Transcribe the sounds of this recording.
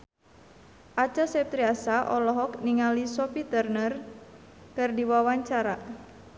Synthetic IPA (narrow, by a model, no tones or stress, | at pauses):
ʔat͡ʃasɛp̚t̪ɾiasaʔɔlɔɦɔkniŋalisɔpit̪ərnər | kɨrdiwawaɲt͡ʃaɾa